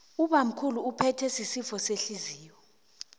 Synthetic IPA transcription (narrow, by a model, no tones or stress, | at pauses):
uɓam̩kʰuluːpʰɛtʰɛsisifɔseɬiziːwɔ